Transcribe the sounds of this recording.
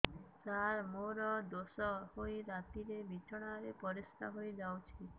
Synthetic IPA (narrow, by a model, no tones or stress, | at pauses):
t͡ʃaɾmoɾɔd̪osɔhojɾat̪iɾebit͡ʃɔɽ̃aɾepɔɾist̪a̰ɦojd͡ʒawt͡ʃʰi